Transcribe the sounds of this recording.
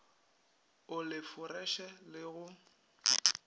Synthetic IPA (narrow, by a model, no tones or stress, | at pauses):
ʊlɪfʊrɛʃɛlɪɣʊ